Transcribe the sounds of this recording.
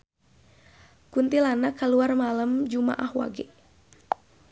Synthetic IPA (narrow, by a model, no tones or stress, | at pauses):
kunt̪ilanakaluarmaləmd͡ʒuma̰ʔahwa̰ɡɛ